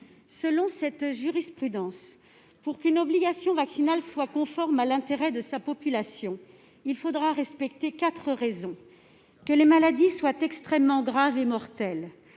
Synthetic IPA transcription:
səlɔ̃sɛt̪ʒyʁispχyd̪ɑ̃s | puʁkynɔbliɡasjɔ̃vaksinalswakɔ̃fɔʁmalɛ̃t̪eʁɛd̪əsapɔpylasjɔ̃ | ilfod̪ʁaʁɛspɛk̚t̪ekat̪χəʁezɔ̃ | kəlemalad̪iswat̪ɛkst̪χɛmːɑ̃ɡʁavemɔʁt̪ɛl

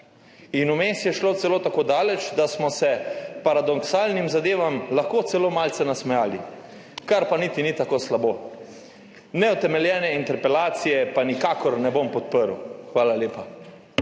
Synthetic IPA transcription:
inumeːsjɛʃloːt̪sɛloːt̪akoːd̪aːlɛt͡ʃd̪asmɔsɛpaɾad̪ɔksaːlnimzad̪eːʋamlaxkoːt̪sɛloːmaːlt̪sɛnasmɛjaːli | kaɾpanit̪init̪akoːslaboː | nɛut̪ɛmɛljɛːnɛint̪ɛɾpɛlaːt̪sijɛpanikakɔɾnɛbompɔt̪̚pəɾṵxʋaːlaljeːpa

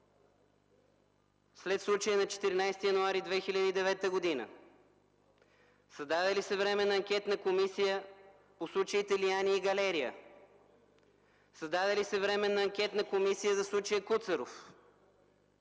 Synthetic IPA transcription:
slɛt̪slˠut͡ʃəjənɐt͡ʃɛ̥t̪iɾinajst̪ijɐnoaɾid̪vɛxilʲəd̪iid̪ɛvɛt̪əɡod̪inə̰ | sɐzd̪ad̪ɛlisɛvɾɛmɛnɐːŋkʲɛt̪nəkomisijə | poslˠut͡ʃəit̪ɛlijaniiɡɐlɛɾijə̰ | sɐzd̪ad̪ɛlisɛvɾɛmɛnɐːŋkʲɛt̪nɐkomisijəzɐslˠut͡ʃəjəkut̪səɾof

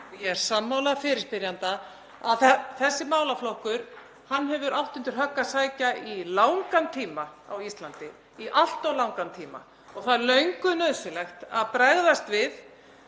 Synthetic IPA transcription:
jɛɛɾ̥samːaːwlafɪɾɪɾ̥spɪɾjant̪a | a̰ðθθɛsːɪmaːwlaflɔhkʏɾ̥ | hanːɦɛvʏɾawht̪ʏnt̪ɪɾ̥ɦœkːasaːjcailaːwŋkant̪ʰiːmaa̰wist̪lant̪ɪ | iʔal̥t̪ɔwlawŋkant̪ʰiːma̰ | ɔɣθaðlœɥŋkʏnœːðsɪlɛxt̪aðpɾɛɣðast̪vɪð

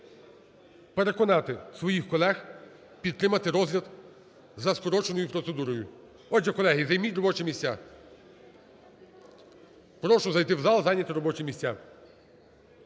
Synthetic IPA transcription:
peɾe̞kɔnɑt̪ɪsʋɔjixkɔlˠɛx | pʲid̪t̪ːɾɪmɐt̪ɪɾɔzlʲɐd̪ | zɐskɔɾɔt͡ʃenɔjʊpɾɔt̪sed̪uɾɔjʊ | ɔd͡ʒɛkɔlˠɛɦizɐjmʲitʲrɔbɔt͡ʃɛmʲisʲtʲa | pɾɔʃʊzɐjt̪ɪwzɑlˠzɑnʲɐt̪ɪɾɔbɔt͡ʃimʲisʲtʲːa

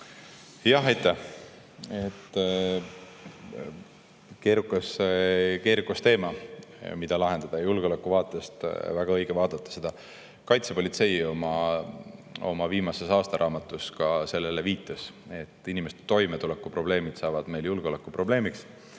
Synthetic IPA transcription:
jɑɦejt̪ːæh | et̪ː | ke̞ːɾukːˑɑseke̞ːɾukːɑst̪e̞ːmɑmid̪̥ɑlɑɦe̞nd̪̥ɑd̪̥ɑjulɡ̥eo̞lekːˑuvɑːt̪ˑːest̪væɡ̥ɑɤ̞jɡ̥evɑːd̪̥ɑt̪ˑːɑ̥se̞d̪̥ɑ | kɑjt̪sepo̞lʲit̪se̞jo̞mɑ | o̞̰mɑviːmɑse̞sɑːst̪ɑɾʔɑːmɑt̪ːˑuskɑse̞lːeleviːt̪ːˑɑse̞t̪ːˑinimese̥t̪e̥t̪o̞jmet̪ulekːˑupro̞b̥le̞ːmid̪̥sɑːvɑd̪̥me̞jljulɡ̥o̞lekːˑupro̞ble̞ːmiks

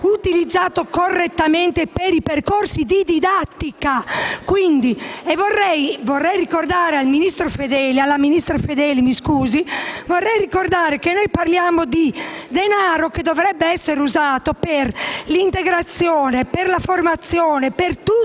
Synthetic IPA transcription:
ut̪ilid̪zːaːt̪okorːet̪ːamɛnt̪epeɾiperkorsid̪id̪id̪at̪ːikakwind̪iɛvorːɛjvɔrːɛjrikord̪aːɾealminist̪ɾofed̪ɛːlialːaminist̪ɾofed̪ɛːlimiskuːzivɔrːɛjrikord̪aːɾekenːojparljaːmod̪id̪enaːɾok̟ed̪ɔvɾɛbːeɛsːeɾuzaːt̪operlint̪eɡɾat̪sːjɔːneperlaformat̪sːjɔːnepert̪u

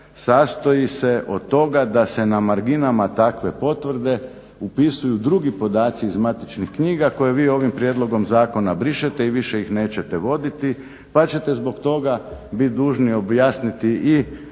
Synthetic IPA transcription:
saːst̪o̞jise̞ʔo̞d̪̚t̪o̞ɡad̪ase̞namaɾɡinamat̪akʋe̞po̞t̪ʋr̩d̪e̞ | upisujud̪ɾuɡipo̞d̪aːt̪siːzmat̪it͡ʃnixkɲiːɡako̞je̞ʋiːo̞ʋimpɾje̞d̪lo̞ɡo̞mzaːko̞nabɾiʃet̪e̞iʋiʃe̞ixne̞ːt͡ɕe̞t̪eʋo̞d̪it̪i | pat͡ɕe̞t̪e̞zbo̞kt̪o̞ɡabit̪̚d̪uːʒnio̞bjaːsnit̪iʔi

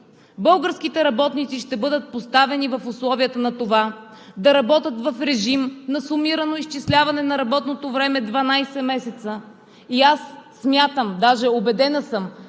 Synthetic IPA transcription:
bɤlˠɡəɾsk̟it̪ɛɾɐbɔt̪nit̪siʃt̪ɛbɤd̪ət̪̚post̪avɛnivɐfʊslˠɔviət̪ənɐt̪ova | d̪ɐɾɐbɔt̪ət̪vɐfɾɛʒimnɐsʊmiɾənoist͡ʃislʲavɐnɛnɐɾɐbɔt̪not̪ovɾɛmɛd̪vɐnajsɛmɛsɛt̪sə | iasː | mʲjat̪əmd̪aʒɛobɛd̪ɛnəsəm

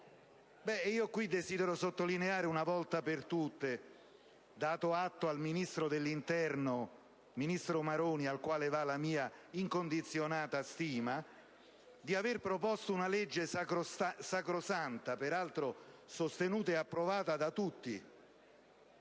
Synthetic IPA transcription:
bɛiːokwid̪ːeziːd̪eɾosot̪ːolineaːɾeunavɔlt̪apert̪ut̪ːe | d̪aːt̪ʊat̪ːoalminist̪ɾod̪elːint̪ɛrno | minist̪ɾomaɾoːnialkwaːlevalamiːaiŋkond̪it̪sːjonaːt̪ast̪iːma | d̪iaverpɾopɔst̪ounalɛd͡ʒːekssakɾosant̪apeɾalt̪ɾosost̪enuːt̪aeapːɾovaːt̪ad̪at̪ut̪ːḭ

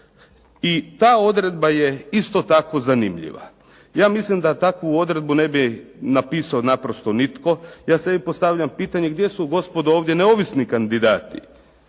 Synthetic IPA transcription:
it̪aːo̞d̪ɾe̞d̪baje̞ist̪o̞t̪ako̞zanḭmʎḭʋa̰ | jaːmislimd̪at̪akʋuo̞d̪ɾe̞d̪̚bune̞binapiːsaonapɾost̪o̞nit̪ko̞jaːse̞bipo̞st̪aʋʎampiːt̪aɲe̞ɡd̪je̞suɡo̞spo̞d̪ooːʋd̪je̞neo̞ʋisnikand̪id̪aːt̪ḭ

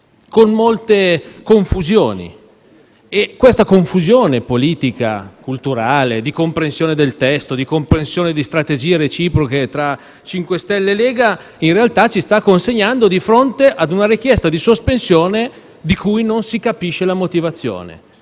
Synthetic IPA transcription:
konmolt̪ekoɱfuzjoːnḭ | ekːwest̪akoɱfuzjoːnepoliːt̪ika̰kult̪uɾaːled̪ikompɾensjoːned̪elt̪ɛst̪od̪ikompɾensjoːned̪ist̪ɾat̪ed͡ʒiːeɾet͡ʃiːpɾoket̪ɾa | t͡ʃiŋkwest̪ɛlːeleːɡa | inrealt̪at͡ʃist̪akːonseɲːand̪od̪ifɾont̪eʔad̪unaɾik̟jɛst̪ad̪isospensjoːne | d̪ikujnonsikapiʃelamot̪ivat̪sːjo̰ːnḛ

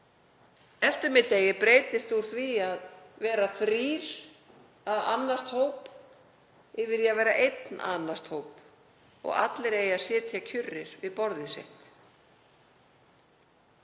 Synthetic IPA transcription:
ɛft̪ɪɾmɪt̪ːeːjɪpɾeːjt̪ɪst̪uɾ̥θviaðvɛːɾaθɾiːɾ̥ | aða̰nːast̪howp | ɪvɪɾjavɛːɾaʔejt̪nʔa̰nast̪hoːwp | ɔ̰ɣa̰t̪lɪɾejasjɛːt̪ʰjacʰʏrːɪɾ̥vɪðpɔɾðɪsḛht̪

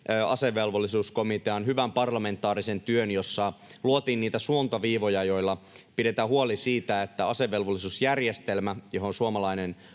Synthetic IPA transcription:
øɑ̰seʋːe̞lʋolːisuːskomit̪eɑnɦyʋæmpɑrlɑme̞nt̪ːˑɑːɾise̞nt̪yønjo̞sːɑluot̪iːnniːt̪æsuont̪ɑʋiːʋo̞jɑjo̞ilːɑ | pide̞t̪æːhuolisiːt̪æet̪ːæɑseʋe̞lʋolːisuːsjærjest̪elmæjoɦonsuomɑlɑinen

